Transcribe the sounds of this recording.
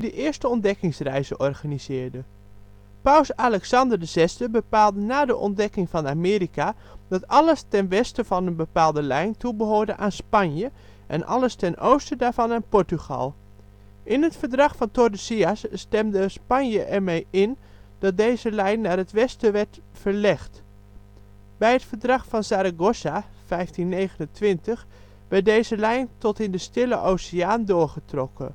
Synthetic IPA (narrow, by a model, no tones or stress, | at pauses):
dəʔɪəɹstəɔndɛkɪŋsrɛjzəʔɔrɣaniz̥ɪːɹdə | pawˠsalɛksɑndərdəz̥ɛsdəbəpaːlˠdənaːdəʔɔ̰ndɛkɪŋvɑnamɪːɾika | d̥ɑtɑləstɛnʋɛstəvɑnənbəpaːlˠdəlɛjntubəɦoːɹdəʔaːnspɑnjə | ʔɛ̰nʔɑ̰ləstɛnowstədaːɹv̥ɑnaːnpɔɹtyɣɑ̰lˠ | ʔɪnɦətfəɹdrɑχfɑntodəsiasːtɛmdəspɑnjəʔɛɹmejɪn | d̥ɑt̚dejzəlɛjnːaːrətʋɛstəʋɛɹt | fəɹlɛχt | bɛjɦətfəɹdrɑxfɑnsaːɾaɡosa | fɛjftinːejɣənəntʋɪntəx | ʋɛɹt̚deːjzəlɛjntɔtɪndəstɪləʔowsiaːndʊːɹχətrɔkʰə̰